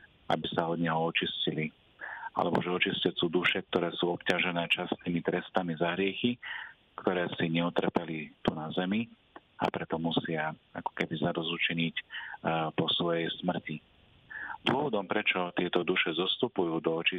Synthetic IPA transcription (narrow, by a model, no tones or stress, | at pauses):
a̰bisaɔd̪ɲɛɦɔɔt͡ʃiscili | a̰lɛbɔ̰ʒɛɔt͡ʃiscɛt͡suːd̪uʃɛk̚t̪ɔɾɛːsuːɔpcaʒɛnɛːt͡ʃasniːmit̪ɾɛst̪amizaɦɾɪɛxi | kt̪ɔɾɛːsiɲɛut̪r̩pɛlit̪unazɛmi | a̰pɾɛt̪ɔmusɪaa̰kɔ̥kɛbizad̪ɔzut͡ʃɛɲic | pɔsʋɔjɛjsmr̩ci | d̪ʊɔʋɔd̪ɔmpɾɛt͡ʃɔt̪ɪɛt̪ɔd̪uʃɛzɔst̪upujuːd̪ɔɔt͡ʃi